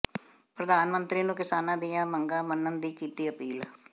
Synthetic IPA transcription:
pɾəd̪aːnmə̃nt̪ɾiːnũːkɪsaːnãːd̪ijaːməŋɡaːmənənd̪iːkiːt̪iːəpiːl

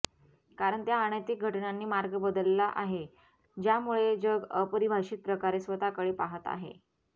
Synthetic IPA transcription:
kaɾəɳt̪jaːɳ̃ət̪ik̚ɡʱəʈnanːiːmaɾɡəbəd̪əlːaʔaɦe | d͡ʑjamuɭed͡ʑəɡəpəɾibʱaʂiːt̪̚pɾəkaɾesʋət̪akəɽepaɦət̪a̰ɦḛ

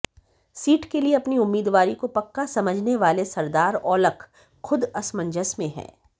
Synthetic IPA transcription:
siːʈkelieɐpniʊmːiːd̪ʋaːɾikopɐkːasɐməd͡ʒʱneʋaːlesɐɾd̪aːɾɔːləkʰ | xʊd̪ɐsmə̃ɲd͡ʒəsmẽɦɛ̰̃ː

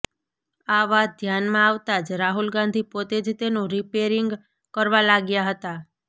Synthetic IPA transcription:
aʋad̪ʱjanmãaʋt̪ad͡ʒɾaɦulɡãnd̪ʱipot̪ed͡ʒt̪enũɾipeɾiŋɡ | kəɾʋalaɡjaɦət̪a

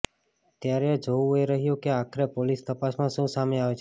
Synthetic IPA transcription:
t̪jaɾed͡ʒoʋeɾəɦijokeakʰɾepolist̪əpasmãʃũsameaʋet͡ʃʰ

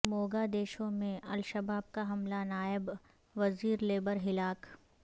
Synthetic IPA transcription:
moːɡad̪eːʃõmẽʔɐlʃəbaːb̚kaɦɐmlanaːɪb | ʋɐziːɾleːbəɾɦɪlaːk

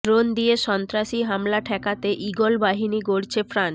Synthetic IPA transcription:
ɾond̪ieʃɔnt̪ɾaʃiɦamlaʈʰɛkat̪eʔiɡolbaɦiniɡoɾt͡ɕʰefɾan

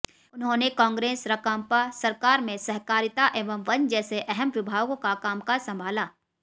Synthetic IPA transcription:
ʊnɦõnekɔ̃ːŋɡɾeːsɾɐkãːmpasɐɾkaːɾmẽsɛɦkaːɾɪt̪aʔeːʋəmʋɐnd͡ʒɛːseʔɛɦɛmʋɪbʱaːʋɡõkakaːmkasɐ̃mbʱaːlaː

